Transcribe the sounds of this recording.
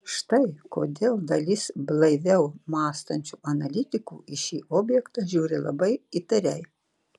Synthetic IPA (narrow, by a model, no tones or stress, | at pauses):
ʃt̪ɐɪko̰ːd̪ʲeːlˠd̪ɐlʲɪsblˠɐɪʋʲɛʊmɑːst̪ɐnʲt͡ʃʲuːʔɐnɐlʲɪt̪ʲɪkuːɪʃʲiːʔoːbʲjɛkt̪ɑʒʲuːɾʲɪlˠɐ̰bɐɪit̪ɐɾʲɛɪ